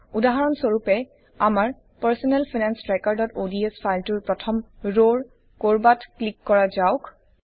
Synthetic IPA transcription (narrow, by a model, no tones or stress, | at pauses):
udaɦaɹɔnsoɹupɛ | amaɹ | paɹsɔnɛlpʰinɛnsɹekɔɹdɔtodiespʰajltʊɹpɹɔtʰɔmɹoɹ | koɹbatklikːɔɹazaʊk